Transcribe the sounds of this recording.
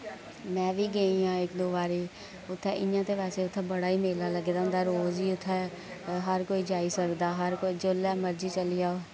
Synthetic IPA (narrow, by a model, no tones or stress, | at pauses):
mɛ̃ːʋiːɡəĩãːɪkd̪oːbaːɾeː | ʊt̪ʰːɛːʔɪjãːt̪eːpɛːseːʊt̪ʰːɛːbəɽaːiːmeːlaːləɡeːd̪aːʊnd̪aːɾoːziːʊt̪ʰːɛː | ɦəɾkoːiːd͡ʒaːiːsəkd̪aːɦəɾkoːiːd͡ʒʊlɛːməɾd͡ʒiːt͡ʃəlɪjaːoː